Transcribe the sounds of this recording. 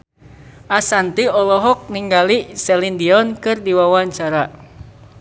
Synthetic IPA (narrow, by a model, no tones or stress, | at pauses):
ʔasant̪iɔlɔɦɔk̚niŋɡalisɛlindiɔnkɨrdiwawaɲt͡ʃaɾa